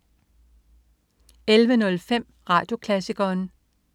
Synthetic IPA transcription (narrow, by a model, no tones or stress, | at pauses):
elʋənɔ̽lfem̰ | ʁɑ̈ːd̥jo̝kʰlæsiɡ̥ɐːn